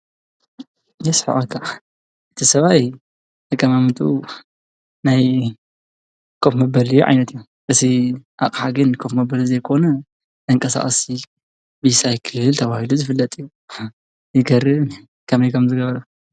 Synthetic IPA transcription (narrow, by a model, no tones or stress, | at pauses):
jɛsħɨ̰ʔakʰːa | ʔɨt̪ʰisɐβaj | ɐkʼːɐmamɨt̪ʼṵ | naj | kʰofmɐbɐlɨjuʕa̰jnɐt̪ɨju | ʔɨt̪ʰiʔaχʼħaɡɨnkʰofmɐbɐlzɐjkʰo̞nɐ | ɨŋkʼɐsa̰χʼsi | bisajkʰɨɨlt̪ʰɐβahiluzɨfɨlːɐt̪ʼɨjːu | jɪɡɐɾɨ | kʰɐmɐjkʰɐmzɨɡɐβɐɾɐ